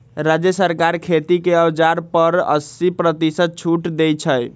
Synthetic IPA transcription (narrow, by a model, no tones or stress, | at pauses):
ɾad͡ʒjəsəɾkaɾkʰet̪ikeəwd͡ʒaɾpəɾə̰sipɾət̪isəd̪̚t͡ʃʰuʈd̪ejt͡ʃʰəj